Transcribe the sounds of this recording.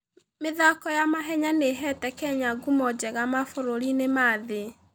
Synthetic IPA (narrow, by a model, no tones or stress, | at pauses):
meðakɔjamaɦɛɲaneɦɛtɛkɛɲaɡumɔd͡ʒɛɣamafoɾoɾinemaðe